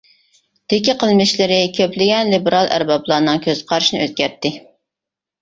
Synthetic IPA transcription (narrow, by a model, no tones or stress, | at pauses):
d̪̥ɪkʲiqʰəlˠmɪʃlɪɾɪkʲʰøpʰlɪɡʲɛnlibɪɾɑlˠæ̰ɾbɑblˠɑːnɨŋkʲʰøz̥qʰɑɾɨʃnɨøz̚ɡʲæɾt̪ːɪ